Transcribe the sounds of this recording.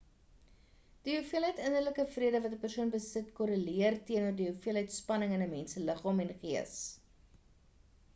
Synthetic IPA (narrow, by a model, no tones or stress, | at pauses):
d̥iɦufiəlɦəjtənərləkəfriədəvɐtəpərsuənbəsətkɔɾəliərtiənuərdiɦufiəlˠɦəjtspɐnəŋənəmɛnsələχɑːmɛnχiəs